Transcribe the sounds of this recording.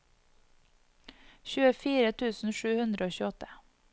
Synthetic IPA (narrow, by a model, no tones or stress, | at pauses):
çʉːəfiːɾət̪ʰʉːsn̩ʃʉːhʉnd̪ɾəoːçʉːɔt̪ə̥